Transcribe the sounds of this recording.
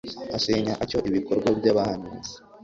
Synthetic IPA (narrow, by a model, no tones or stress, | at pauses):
aseɲaʔaco̞ʔiβiko̞ɾɡwabɟaβahanuːze̥